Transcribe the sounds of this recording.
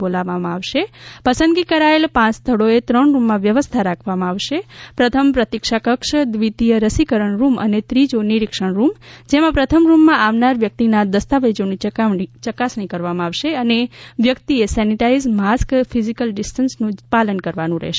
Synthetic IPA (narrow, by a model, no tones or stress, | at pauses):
bolaʋamãaʋʃepəsənd̪ɡikəɾaelpãt͡ʃst̪ʰəɽoet̪ɾəɳɾumːãʋjəʋəst̪ʰaɾakʰʋamãaʋʃepɾət̪ʰəmpɾət̪ikʃakəkʃd̪ʋit̪ijəɾəsikəɾəɳɾumə̰net̪ɾid͡ʒoniɾikʃəɳɾumd͡ʒemãpɾət̪ʰəmɾumːãʔaʋnaɾʋjək̚t̪inad̪əst̪aʋəjd͡ʒoniit͡ʃəkasɳ̃ikəɾʋamãaʋʃeəneʋjəkt̪iesɛniʈaizmaskfʰizikəlɖisʈənsnũpalənkəɾʋanũɾɛ̰ɦʃe